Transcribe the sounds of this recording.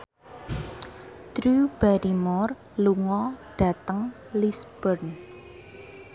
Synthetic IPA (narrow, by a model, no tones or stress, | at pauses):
t̪ɾub̥aɾimɔr | luŋɔɖ̥a̤t̪əŋ | lisb̥ərn